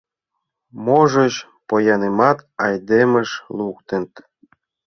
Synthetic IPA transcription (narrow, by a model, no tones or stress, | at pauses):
moʒɤɕ | pojɑnemɑt̪ɑjd̪emə̆ʃlˠukt̪ĕnt̪